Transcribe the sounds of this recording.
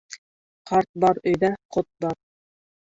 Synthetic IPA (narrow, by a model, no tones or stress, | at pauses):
qɑɾt̪̚bɑɾɵ̆jðæqot̪̚bɑɾ